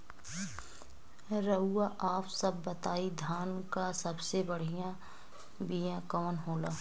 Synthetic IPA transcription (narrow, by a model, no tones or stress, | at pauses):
ɾəuːaʔaːpsəbːət̪aːid̪ʱjaːnkasəbsebəɽ̤ijã | bijãkəmənɦoːlaː